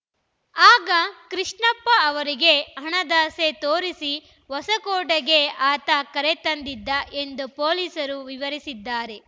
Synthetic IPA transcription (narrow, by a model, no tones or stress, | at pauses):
aːɡɐkɾiʂɳɐpːɐːʋɐɾiɡe̞ɦɐɳɐd̪aːset̪oːɾisi | ʋɔsɐkoːɖɐɡe̞aːt̪ɐkɐɾet̪ɐnd̪id̪ːɐʔe̞nd̪upoːliːsɐɾuʋiʋɐɾisid̪ːaːɾe̞